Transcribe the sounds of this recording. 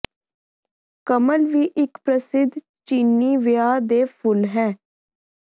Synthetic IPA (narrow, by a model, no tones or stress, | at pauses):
kəməlʋiːʔɪkpɾəsɪd̪ʱ | t͡ʃiːnːiːʋɪjaːd̪eːpʰʊlɦɛː